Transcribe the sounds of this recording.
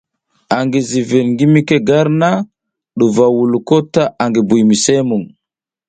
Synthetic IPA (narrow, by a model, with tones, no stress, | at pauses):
a˨ŋɡi˨zi˨vi˨ɾŋɡi˦mi˦ke˦ɡa˦ɾna˦ | ɗu˨va˨wu˨lu˨ko˦ta˦ʔa˨ŋɡi˨bu˨jmi˨se˦mu˨ŋ